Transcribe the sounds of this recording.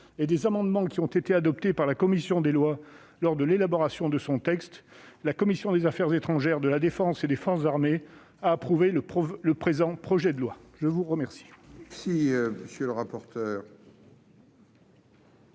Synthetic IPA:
ed̪ezamɑ̃d̪mɑ̃kʲiɔ̃t̪et̪ead̪ɔp̚t̪epaʁlakɔmisjɔ̃d̪elwa | lɔʁd̪əlelabɔʁasjɔ̃d̪əsɔ̃t̪ɛkst̪ | lakɔmisjɔ̃d̪ezafɛʁzet̪χɑ̃ʒɛʁd̪əlad̪efɑ̃sed̪efɔʁszaʁme | aːpχuveləpɔləpχezɑ̃pχɔʒɛd̪əlwaʒəvuʁəmɛʁsi̥ɛsiməsjøləʁapɔʁt̪œːʁ

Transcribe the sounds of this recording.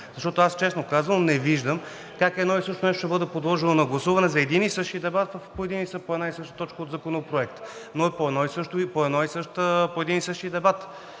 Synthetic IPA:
zɐʃt̪ɔt̪ʊast͡ʃɛsnokazvənnɛviʒd̪əm | kakɛd̪nɔisɤʃt̪onɛʃt̪oʃt̪ɛbɤd̪ɛpod̪lˠɔʒɛnonɐɡlˠɐsuvɐnɛzɐɛd̪inisɤʃt̪id̪ɛbat̪vəfpoɛd̪inisəpoɛd̪naisɤʃt̪ə̥t̪ɔt͡ʃkəod̪zɐkonopɾoɛkt̪ | noɛpoɛd̪nɔisɤʃt̪ʊpoɛd̪nɔisɤʃt̪əpoɛd̪inisɤʃt̪id̪ɛbat̪

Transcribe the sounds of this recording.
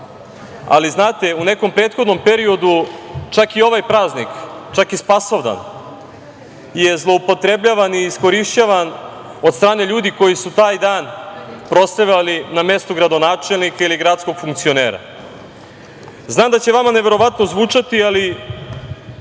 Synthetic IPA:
a̰liznaːt̪eune̞ko̞mpɾe̞ːt̪xod̪no̞mpe̞ɾio̞d̪ut͡ʃakio̞ʋajpɾaːznikt͡ʃakispaso̞ʋd̪a̰n | je̞zlˠo̞upo̞t̪ɾe̞bʎaːʋaniːskoɾiʃt͡ɕaʋan | od̪st̪ɾaːne̞ʎuːd̪iko̞jisut̪aːjd̪aːnpɾo̞st̪ɾaʋʎaliname̞st̪uɡɾad̪o̞naːt͡ʃelˠnikailiɡɾat̪sko̞ɡ̥fuŋkt̪sio̞ne̞ːɾa̰ | znaːmd̪at͡ɕeʋamaneʋe̞ɾo̞ʋat̪no̞zʋuːt͡ʂat̪iali

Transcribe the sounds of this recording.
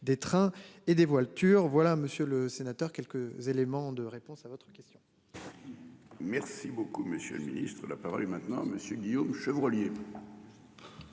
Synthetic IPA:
d̪et̪χɛ̃ed̪evwalt̪yʁvwalaməsjøləsenat̪œʁkʲɛlkəzelemɑ̃d̪əʁepɔ̃savɔt̪χəkʲɛst̪jɔ̃ | mɛʁsibokuməsjø̰ləminḭst̪χəlapaʁɔ̰lemɛ̃t̪nɑ̃aməsjəɡʲijomʃəvʁɔlje

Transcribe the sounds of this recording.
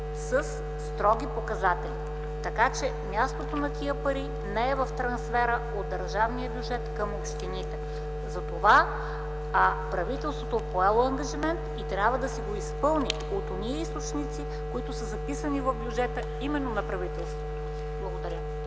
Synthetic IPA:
səsː | t̪ɾɔɡʲipokɐzat̪ɛlʲi | t̪ɐkat͡ʃɛmʲjast̪ot̪onɐt̪iəpɐɾi | nɛɛvɐft̪ɾɐnsfɛɾə | od̪ːɐɾʒavniəbjud͡ʒɛt̪kɐmopʃt̪init̪ɛ | zɐt̪ova | apɾɐvit̪ɛlˠst̪vot̪oɛpoɛlˠoɐŋɡɐʒimɛnt̪it̪ɾʲabvəd̪ɐsiɡoispɤlˠni | ot̪oniəist̪ot͡ʃnit̪si | koit̪ʊsəzɐpisənivɐvbjud͡ʒɛt̪ə | imɛnːonɐpɾɐvit̪ɛlˠst̪vot̪o | blˠɐɡod̪ɐɾʲə

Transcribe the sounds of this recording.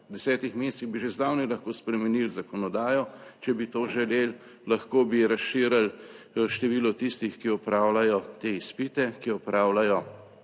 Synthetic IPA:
d̪ɛsɛːt̪ixmeːst̪iɣbiʒezd̪aːwnilɐxkoːspɾɛmɛnilzakɔnɔd̪aːjɔt͡ʃɛbit̪oːʒɛlel | laxkoːbiɾasʃiːɾal | ʃt̪ɛʋiːlɔt̪ist̪ixkiɔpɾaːwlajɔt̪eːispit̪ɛkiɔpɾaːwlajɔ

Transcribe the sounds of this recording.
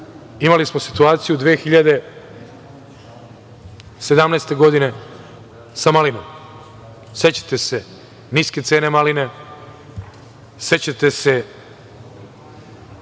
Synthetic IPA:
imalismo̞si̥t̪uaːt̪sijud̪ʋeːxiʎad̪e̞ | se̞d̪amneːst̪e̞ɡo̞d̪ine̞ | samalinom | se̞t͡ɕḁt̪ese̞ | niːske̞t̪se̞ːne̞maline̞ | set͡ɕat̪e̞se̞

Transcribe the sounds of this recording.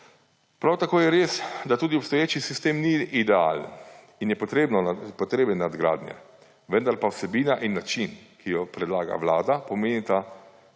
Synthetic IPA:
pɾawt̪akoːjɛɾeːsd̪at̪uːd̪iɔpst̪ɔjeːt͡ʃisist̪eːmniid̪ɛa̰ːlən | injɛpɔt̪ɾeːbnɔpɔt̪ɾeːbənːad̪ɡɾa̰ːd̪nʲjɛ̰ | ʋənd̪aɾpawsɛbiːnaʔinːat͡ʃinkʰijɔpɾɛd̪laːɡa̰ʋlaːd̪apɔmeːnit̪a

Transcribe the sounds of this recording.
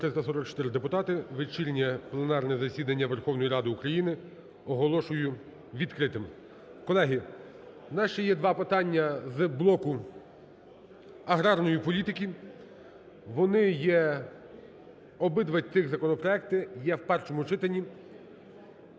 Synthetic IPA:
t̪ɾɪst̪ɐsɔɾɔk̚t͡ʃɔ̥t̪ɪɾɪd̪epʊt̪ɑt̪ɪʋet͡ʃilʲnʲɛplˠenɑrnɛzɐsʲid̪ɐnʲːɐʋerxɔwnɔjiɾɑd̪ɪukɾɐjinɪ | ɔɦɔlˠɔʃʊjʊ | ʋʲid̪kɾɪt̪ɪm | kɔlˠɛɦʲi | nɑʃɛjɛd̪ʋɑpɪt̪ɑnʲːɐzblˠɔkʊ | ɐɦɾɑrnɔjipɔlʲit̪ɪkʲi | ʋɔnɪjɛ | ɔbɪd̪ʋɐtʲt̪ɪɣzɐkɔnɔpɾɔɛkt̪ɪjɛwpɛrʃɔmʊt͡ʃɪt̪ɐnʲːi

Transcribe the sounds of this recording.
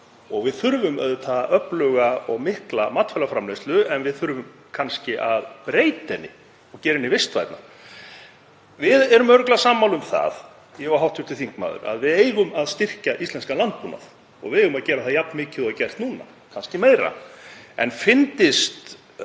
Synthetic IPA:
ɔɣvɪðθʏɾvʏmɛðʏt̪ʰaːðaʔœplœɣaɔɣmɪhklamat̪fɛlafɾamlest̪lʏɛnvɪðθʏɾvʏm | kʰanscɪʔaðpɾeːjt̪ɛnːɪ̰ | ɔɣcɛːɾɪnːɪvɪst̪va̰jt̪na̰ | vɪðɛɾʏmœɾʏklasaːmːawlʏmθa̰ð | jɛɣaɦawht̪ʰʏɾt̪ɪlθiŋk̚ma̰ːðʏ̰ɾa̰ðvɪðeːjɣʏmaðst̪ɪr̥caʔist̪ɛnskalant̪̚puna̰θ | ɔ̰ɣvɪðeːjɣʏmaðcɛːɾaθaðjapnmɪːcɪðɔacɛr̥st̪nuːna̰ | kʰanscɪmeːjɾa̰ɛ̰nfɪnt̪ɪst̪

